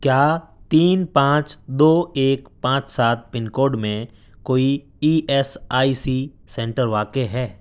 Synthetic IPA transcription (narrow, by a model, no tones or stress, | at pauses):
kjaːt̪iːnpãːt͡ʃd̪oːeːkpãːt͡ʃsaːt̪̚pɪnkoːɾɖmẽ | koːi | iːʔɛsaːisiː | sɛ̃ɳʈəɾʋaːkeɦɛː